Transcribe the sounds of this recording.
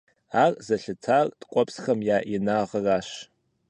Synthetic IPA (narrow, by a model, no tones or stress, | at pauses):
aːrzɐɬɨtʰartʼkʷʼɔpsxɐmjaːʔinaːʁəraːɕ